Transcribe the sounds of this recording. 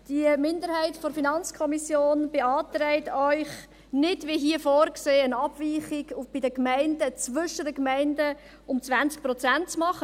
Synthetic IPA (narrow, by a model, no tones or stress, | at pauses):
d̥imɪndəɾhɛɪtfɔɾfinɑnt͡skʰɔmisjoːnb̥eɑːtɾɛɪtœʏχ | nɪdviɦiəfoːɾkseːənɑb̥viːχɪɡʊb̥ɪdəkmæɪndət͡sʋʏʃədəkmæɪndə | ʊmt͡svænt͡sk̚pɾɔt͡sænt̚t͡smɑχə